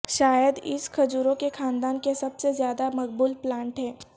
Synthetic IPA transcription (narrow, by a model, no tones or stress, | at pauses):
ʃaːjəd̪ɪskʰɐd͡ʒuːɾõkexʰaːnd̪aːnkesɐbsezjaːd̪amɐk̚buːlplãːɳʈɦɛ̃ː